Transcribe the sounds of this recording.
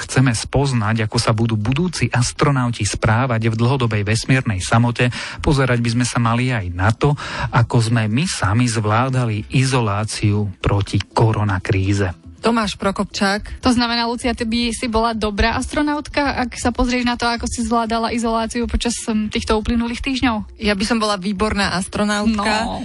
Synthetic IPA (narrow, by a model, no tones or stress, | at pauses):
xt͡sɛmɛspɔznaɟakɔsabud̪uːbud̪uːt͡siʔast̪ɾɔnaʊcispɾaːʋaɟvd̪l̩ɦɔd̪ɔbɛjʋɛsmɪɛɾnɛjsamɔcɛpɔzɛɾaɟbizmɛsamaliajnat̪ɔakɔzmɛmisamizʋlaːd̪aliʔizɔlaːt͡siupɾɔcikɔɾɔnakɾiːzɛt̪ɔmaːʃpɾɔkɔpt͡ʃaːkt̪ɔznamɛnaːlut͡siat̪ɛbisibɔlad̪ɔbɾaːʔast̪ɾɔnaʊt̪kaʔaksapɔzɾɪɛʒnat̪ɔakɔsizʋlaːd̪alaʔizɔlaːt͡siupɔt͡ʃast̪iːxt̪ɔuːplinuliːxt̪iːʒɲɔʊ | jabisɔmbɔlaʋiːbɔɾnaːʔast̪ɾɔnaʊtnka